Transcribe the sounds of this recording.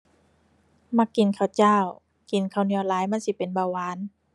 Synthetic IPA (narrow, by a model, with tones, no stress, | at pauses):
ma˧˩kːi˨˩nkʰa˧˩wt͡ɕaː˧˥˨w | ki˨nkʰa˧˩wni˧˩ə˨laː˨˦jma˧˥˨nsi˧˦pe˨nbaː˧˩waː˨˦n